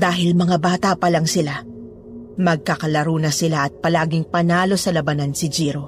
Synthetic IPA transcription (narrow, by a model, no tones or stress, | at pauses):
d̪aːɦɪlmɐŋabaːt̪ɐpɐlɐŋsɪla | mɐɡ̚kakɐlɐɾuːnɐsɪlaʔɐt̪̚pɐlaːɡɪŋpɐnaːlo̞sɐlɐbɐnansɪd͡ʒiːɾo